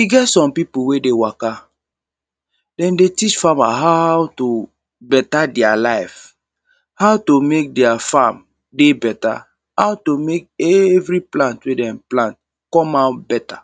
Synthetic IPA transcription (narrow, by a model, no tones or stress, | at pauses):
iɡɛtsɔ̃mpipuwedewaka | dɛ̃ndetit͡ʃfama̰ɦawto | bɛtadɛalaɪf | haʊtomek̚dɛafam | debɛta̰ | hawtomek̚ɛvɹiplãntwedɛ̃mplãnt̚ | kɔ̃mabɛta